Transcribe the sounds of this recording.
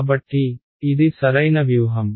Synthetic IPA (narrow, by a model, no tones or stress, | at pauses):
bɐʈːiː | d̪isɐɾɐjnɐʋjuʋɦɐm